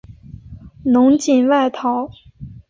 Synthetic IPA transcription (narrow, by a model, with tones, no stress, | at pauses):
nʊ˧˥ŋt͡ɕi˨˩nwa˥˩ɪt̪ʰɑ˧˥˦ʊ